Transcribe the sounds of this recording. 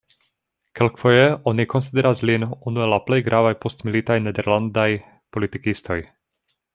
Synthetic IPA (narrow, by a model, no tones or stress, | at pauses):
kelkfo̞jeo̞niko̞nsid̪eɾaslinunuelaple̞jɡɾʔavajpo̞stmilitajnedeɾlandaj | po̞litikisto̞̰j